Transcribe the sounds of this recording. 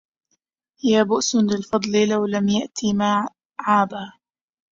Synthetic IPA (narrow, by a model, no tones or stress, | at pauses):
jaːbʊʔsnlɪlfɑd̪ˤlɪlawlamjaʔt̪ʰimaː | ʕaːba